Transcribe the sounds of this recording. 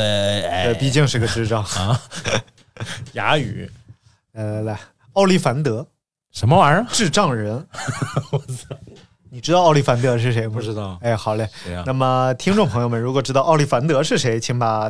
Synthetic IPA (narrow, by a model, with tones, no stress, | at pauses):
t̪e˥˩t̪we˥˩ɪpi˥˧t͡ɕi˥˧ŋʂɻ̩˥˩˧ɡə˧ʈ͡ʂɻ̩˥˧ʈ͡ʂɑ˥˩ŋ˧ | ja̰˧˥y̰˨˩˦ | la˥˧la˧˩la˧˩ɪ | ɑ˥˧ʊli˥˩fa˧˥nt̪ɤ˧˥ | ʂə˧˥nmə˧wa˧˥ʈ͡ʂɻ̩˥˧ʈ͡ʂɑ˥˩ŋɻə˧˥n˥ | ni˨˩ʈ͡ʂɻ̩˥t̪ɑ˥˧ɑ˥˧ʊli˥˩fa˧˥nt̪ɤ˧˥ʂ̬ɻ̩˥˩ʂ̬e˧˥ɪm̩˧˥d̪ɑ˥˩e˥˩xɑ˨˩ʊlə˧˩na˥˩mə˩t̪ʰi˥ŋʈ͡ʂʊ˥˧ŋpʰɤ˧˥ŋjo˥˧ʊmə˩ɻu˧˥kwɔ˨˩ʈ͡ʂɻ̩˥t̪ɑ˥˧ʊɑ˥˧ʊli˥˩fa˧˥nt̪ɤ˧˥ʂɻ̩˥˩ʂe˧˥ɪt͡ɕʰi˧˥ŋba˧